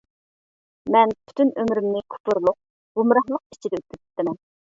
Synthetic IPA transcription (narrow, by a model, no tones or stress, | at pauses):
mɛnpʰy̥t̪ʰynømɾymnɪkʰu̥pʊɾlˠʊq̚ | ɡ̥umɾɑhlˠəq̚i̥t͡ʃʰid̪ɛøt̪̚kʲyzi̥t̪ʰːɪmɛn